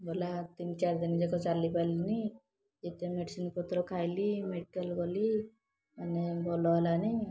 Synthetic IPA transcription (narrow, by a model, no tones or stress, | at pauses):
bolat̪int͡ʃaɾd̪inid͡ʒɔkɔt͡ʃalipajlini | d͡ʒet̪emeɖisinpɔt̪ɾɔkʰajlimeɖikəlɡoli | anebʱɔlɔɦlani